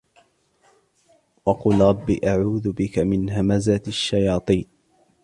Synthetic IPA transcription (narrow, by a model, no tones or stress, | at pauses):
wɑquːlɾˤɑbːiːʔaʕuːðʊbɪkamɪnɦamazaaʃːajɑːt̪ˤiːn